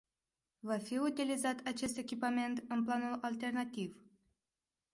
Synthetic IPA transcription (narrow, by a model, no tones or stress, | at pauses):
vafiut̪ilizat̪ʰat͡ʃe̞s̬t̪e̞kʲipame̞nt̪ɨnplanulalt̪e̞rnat̪iv